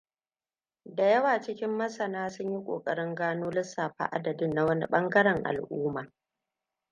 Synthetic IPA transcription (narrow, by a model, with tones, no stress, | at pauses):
da˨jɐ˦waː˨t͡ʃɪ˦kʲɪ˦mːɐ˦sɐ˨naː˦sʊ˦ɲji˦kʷʼo̰ː˨kʼɐ˨ɽɪ˦ŋɡaː˦noː˦lɪ˦sːaː˨ɸa̰ː˦˨ʔa̰˦dɐ˨dɪ˦nːa˨˦wɐ˦nḭ˦ɓɐ˦ŋɡɐ˦ɽɛ˨ŋʔa̰˨lʔuː˦maː˨